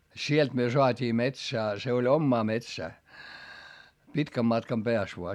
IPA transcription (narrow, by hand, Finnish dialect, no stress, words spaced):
sielt myø soɑtʲiː metsæː se olʲ omːɑː metsæː pitkæm mɑtkɑm peæs ʋoɑ